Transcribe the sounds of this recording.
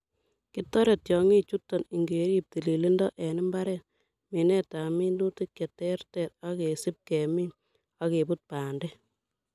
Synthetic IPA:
kɪ˦tːɔ˦ɾe˨tjɔ˨ŋi˦t͡ʃu˦tːɔ˨ni˨ŋɡe˨ɾi˦p̚ti˨li˨li˦ndɔ˦ʔɛ˨nɪ˦mba˦ɾɛ˨t | mi˨nɛ˦ta˨mi˦ndu˦ti˦kːɛ˨tɛ˦rtɛ˨t̚a˦ke˨sɪ˦p̚kɛ˨mi˦ | a˦ke˨bu˦t̚paː˨ndɛ˦

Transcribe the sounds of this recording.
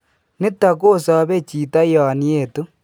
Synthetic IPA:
ne˦ta˨ko˦˨sa˨βe˦t͡ʃi˨ta˦ja˨ni˦e˦˨to˦

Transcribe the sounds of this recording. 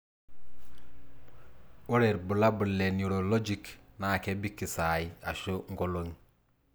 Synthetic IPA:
u˦ɾe˨ɾbu˨la˦bu˨le˨nuɾo˨lo˦d͡ʒiknaː˨ke˦bi˦ki˨sa˨ja˨ʃo˦ŋɡo˨lo˨ŋ

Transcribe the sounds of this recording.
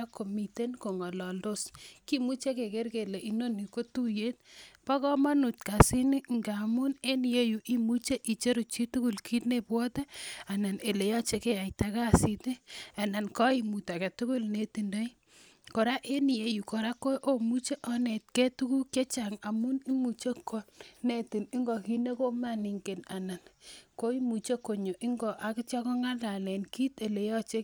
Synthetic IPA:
a˦ko˨mi˨te˦nko˨ŋɔ˨lɔ˨ldo˦ski˦mu˦t͡ʃe˦ke˨ke˦ɾke˨le˨i˨no˦ni˨ko˦tu˦je˦t̚pa˦kɔ˦ma˦nu˨tka˨si˦ni˦ŋɡa˨mu˦ne˦ni˨je˦ju˨ʔi˦mu˦t͡ʃe˦ʔi˨t͡ʃe˦ɾu˨t͡ʃi˦tu˦ku˦˨lkʰi˦tne˨pwɔ˦te˦a˨na˨ne˨le˨jɔ˦t͡ʃe˦ke˦a˨jta˦ka˦si˦te˦a˨na˨nkɔ˦i˦˨mu˨ta˨ke˨tu˦ku˦lne˨˦ti˨ndo˦j | ko˨ɾa˦ʔe˦ni˨je˨˦ju˨ko˨ɾa˦ko˦ʔo˦mu˦t͡ʃe˦ʔɔ˦ne˨t̚ke˦tu˦ku˦ke˦t͡ʃa˨ŋa˨mu˦ni˦mu˨t͡ʃe˦ko˦ne˨ti˨ni˦ŋɡɔ˨ki˦ne˦ko˦ma˦˨ni˨ŋɡe˨na˨na˨nko˦i˦mu˨t͡ʃe˦ko˨ɲo˨ʔi˦ŋɡɔ˨ʔa˨kɪ˦t͡ʃa˦kɔ˦ŋa˦la˨lɛ˨nki˦te˨le˨jɔ˦t͡ʃe˦

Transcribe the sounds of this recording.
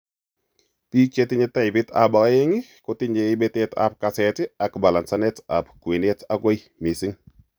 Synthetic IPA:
pi˦t͡ʃe˦ti˦ɲe˦ta˦jbi˦ta̰˨ba˨ka˦je˦ŋi˦ko˦ti˦ɲe˨i˦be˦te˦ta̰˨p̚ka˨se˨ti˦a˨kba˨la˨nsa˦ne˦ta˨pkwe˨ne˦ta˦ɡo˦ji | mi˨si˦ŋ

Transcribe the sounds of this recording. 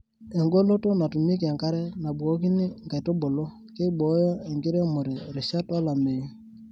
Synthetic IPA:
e˨ŋɡo˦lo˦to˦na˨tu˨mi˦k̬e˨ŋka˦ɾɛ˦na˨bwo˦ki˦ni˦ŋɡa˨i˨to˦bo˨lo˦ | ke˦i˦ɓɔ˨˦jɔ˦e˨ŋɡɪ˦ɾe˦mo˨ɾe˨ɾe˨ʃa˦twa˦la˨me˨i˦

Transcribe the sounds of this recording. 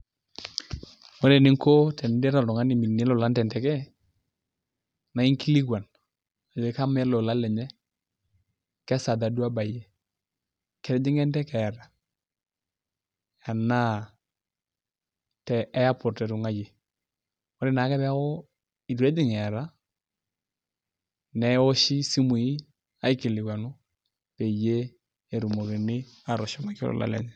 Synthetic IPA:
wɔ˦ɾɛ˨nɪ˦ŋko˦tɛ˨n˦dɛ˦ɾa˨tʊ˨ŋa˦ni˨mi˨nɛ˦lɔ˨la˦ntɛ˨ntɛ˨kɛ˦ | na˨i˦ŋki˦li˦kwa˨n | a˨d͡ʒe˨ka˦m˦ɛ˦lɔ˨la˦lɛ˨ɲɛ˦ | kɛ˦sa˨da˨du˦a˦ba˨jɛ˨ | kɛ˨ɾd͡ʒɪ˦ŋɛ˦ntɛ˦kɛ˨ɾa˨ | a˨na˦˨ | tɛ˨ɛ˦ja˦pʊ˨tɛ˨ɾu˨ŋa˦je˨ | ɔ˦ɾɪ˦˨na˨˦kɛ˦bɛ˦ko˦ | i˨du˨ɾe˦dɪ˨ŋɛ˨ɾa˦ | nɛ˨˦o˦ʃi˦si˦mu˨i˦ | a˦i˦kɪ˨lɪ˨wa˨nʊ˦ | pe˨je˦ | e˨ɾu˨mo˨ki˨nɪ˦ | a˨ɾɔ˨ʃɔ˨ma˨kɪ̰˦lɔ̰˨la̰˨lɛ̰˨ɲɛ˦˨

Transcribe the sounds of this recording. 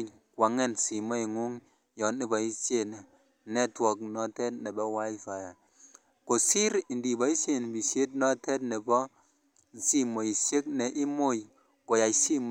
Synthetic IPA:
kwa˨ŋe˦˨nsi˨mo˦i˨ŋu˦ŋ | jɔ˨˦ni˦bɔ˨i˦sje˦ne˨ | nɛ˦twɔ˨knɔ˦tɛ˦tne˨bɔ˦wa˦i˦fa˨ja˨ | ko˨si˦ɾi˨ndi˨bɔ˨˦i˦se˦n˨bi˨se˦tnɔ˦tɛ˦tne˨bɔ˦ | n˨si˦mo˨i˨se˦k̚ne˨ʔi˦mo˦˨j | ko˨ja˨si˦m

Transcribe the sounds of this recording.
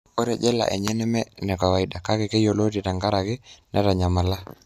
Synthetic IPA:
o˦ɾɛ˨d͡ʒɛ˦la̰˨ʔḛ˨ɲɛ˦nɛ˦mɛ˦nɛ˨ka˨wa˨i˨da˨ka˦kɛ˨ke˦jo˨lo˦ti˨ta˨ŋɡa˦ɾa˨kɪ˦nʔɛ˦ɾa˨ɲa˨ma˨la˦

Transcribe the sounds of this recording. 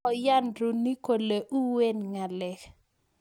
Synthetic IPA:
ɔ˨ja˦ndu˨ni˦ko˨le˨ʔu˦we˦nŋa˨lɛ˨k

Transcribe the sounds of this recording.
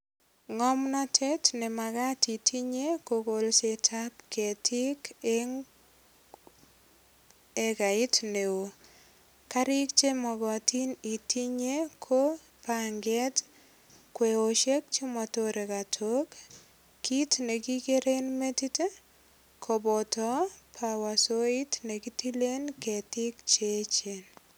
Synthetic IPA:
ŋɔ˦mnɔ˦tʰe˦tne˨ma˨ka˦ti˨tʰi˦ɲe˦ko˨ko˨lse˨tʰa˦pke˨tʰi˦ke | e˦ka˨i˦tne˨o˨ | ka˦ɾi˦kt͡ʃe˦mɔ˨ɡɔ˨ti˦ni˨ti˦ɲe˦kʰo˦ | paŋɡɛ˦t | kwe˨o˨ʃe˦k̚t͡ʃi˦mɔ˨to˦ɾe˨ka˨tʰo˦k | kːi˦tne˨ki˦ke˦ɾe˦nme˦ti˦te˦ | kʰo˨bɔ˨tɔ˦pʰa˨wa˨so˦i˦tne˨ki˦ti˦le˦nke˨ti˦k̚t͡ʃe˦t͡ʃe˨n

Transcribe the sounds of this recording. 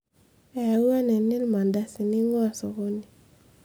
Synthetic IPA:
a˨a˨u˦a˦nɛ˨ni˦lma˨nda˦si˨ni˦ŋɔ˦a˨sɔ˨ɣo˦ni˨

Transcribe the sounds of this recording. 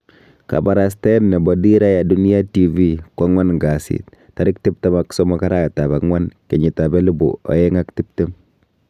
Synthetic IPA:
ka̰˨ba˨ɾa˨s̬tɛ˦nnɛ˨bɔ˨di˦ɾa˦ja˨duni˦ja˦ti˨vi˦kwa˦ŋwa˦nŋɡa˨sḭt | ta˨ɾɪ˦ktɪ˦p̚te˦maksɔ˦mɔ˦ka˦ɾa˦˨ta˨ba˨ŋwa˦nke˨ɲi˨ta˨bɛ˦lu˦bṵ˨ɔ̰˨jɛ˦ŋa˦kti˦p̚te˦m

